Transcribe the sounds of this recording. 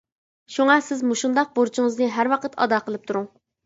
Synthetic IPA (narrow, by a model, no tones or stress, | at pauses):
ʃuŋɑsɪzmuʃund̪ɑq̚boɾt͡ʃʰiŋɨznɨɦæɾwɑqʰət̪ʰɑ̰d̪ɑqʰəlˠɨp̚t̪ʰuɾʊŋ